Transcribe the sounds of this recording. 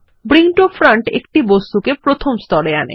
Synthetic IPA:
bɾiŋʈofɾaɳʈḛkʈibost̪ukepɾot̪ʰomst̪ɔɾeanḛ

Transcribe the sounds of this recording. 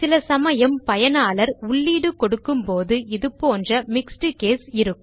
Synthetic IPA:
sɪlɐsɐmɐjɐmpɐjɐnaːlɐɾʊɭːiːɽɯkɔɽɯkːɯmpoːðɯɪðɯpːoːndrɐmɪksʈɯkeːsɪɾɯkː

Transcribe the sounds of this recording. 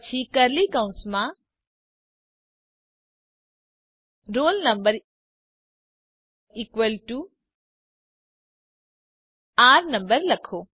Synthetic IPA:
t͡ʃʰikɐɾlikãʊ̃nsmã | ɾoːlnɐ̃mbəɾ | ikwəlʈu | aːɾnɐ̃mbəɾlɐkʰoː

